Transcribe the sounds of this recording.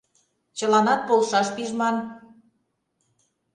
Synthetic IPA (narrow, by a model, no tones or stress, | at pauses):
t͡ɕəlɑnɑt̪̚polʃɑʃpiʒmɑn